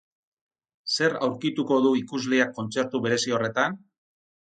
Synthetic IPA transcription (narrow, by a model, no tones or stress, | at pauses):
se̞ɾawɾkit̪uko̞ðuikuzleakːo̞nt͡se̞ɾt̪uβe̞ɾe̞sio̞re̞t̪an